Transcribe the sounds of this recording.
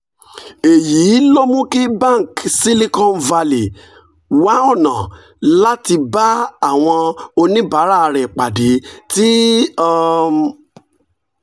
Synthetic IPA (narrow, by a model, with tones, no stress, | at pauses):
e˨jiː˨˦lɔ˦mũ˦ki˦ba˦˨ŋ˨ksi˦li˦kɔ̃˦nva˧li˨ | wa˨˦ɔ˦˨nã˨ | la˦ti˧ba˦a˦˨w̃ɔ̃˧o˧nĩ˦ba˨˦ɾa˦˧ɾɛ˨k͡pa˨de˨˦ti˦˧